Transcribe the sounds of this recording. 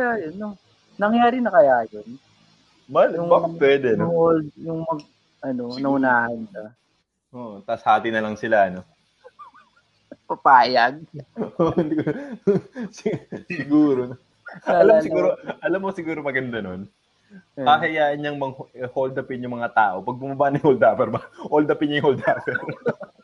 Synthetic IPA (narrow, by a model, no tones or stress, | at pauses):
jajɐnːo | nɐŋjaːɾɪnɐkɐjaːjon | mɐljʊŋbaːɐppwɛd̪ɛɐnoŋholjʊŋmɐŋ | ʔɐno̞nɐʔʊnaːhɐnʃɐ | ʔoːʔt̪ɐshaːt̪inɐlɐŋsɪlaʔɐno̞ | pɐpaːjɐɡ̚oʔɪnd̪ɪ | ssɪɡuːɾo | ɐlamsɪɡuːɾoʔɐlamːosɪɡuːɾomɐɡɐnd̪ɐnon | aɦɐjaːʔɪnɲɐŋmɐŋhold̪ɐpɪnjʊŋmɐŋat̪aːʔo̞pɐɡ̚bʊmɐbanɐŋhold̪aːpɛɾbɐhold̪ɐpɪnɲjʊŋhold̪aːpɛɾ